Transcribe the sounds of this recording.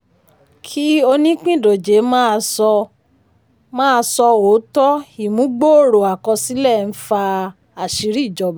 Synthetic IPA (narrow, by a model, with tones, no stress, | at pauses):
kʰi˦o˧nĩ˦k͡pĩ˦˨do˨d͡ʒe˨˦mã˦˧sɔ˧ | mãː˦˧sɔ˧o˨˦tɔ˦i˨mũ˨˦ɡ͡bo˦o˦˨ɾo˨a˨kɔ̃˧si˨˦lɛ˦˨n̩˦fa˧ | a˨ʃi˨˦ɾi˦˨d͡ʒɔ˨˧b